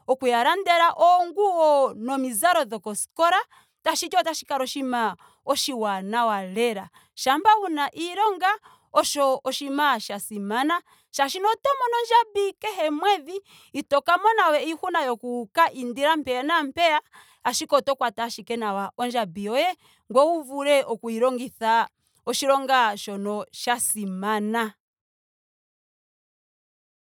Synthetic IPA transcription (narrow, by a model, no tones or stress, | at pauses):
ɔkujaɾandɛɾaʔɔŋɡuɔnɔmizaɾɔðɔkɔsi̥kɔɾa | taʃit͡ʃɔtaʃikaɾɔʃima | ɔʃiwanawalɛɾa | ʃambaunaʔiɾɔŋɡa | ɔʃɔːʃimaʃasimana | ʃaʃinɔtɔmɔnɔnd͡ʒabikɛɦɛmwɛðiː | tɔkamɔnawɛihunajɔkukaʔindiɾam̩pɛanam̩pɛa | aʃikɔtɔkwataʃikɛnawaʔɔnd͡ʒabiɔjɛ | ŋɡwɔuvuɾɛʔɔkuiɾɔŋɡiθa | ɔʃiɾɔŋɡaʃɔnɔʃasimana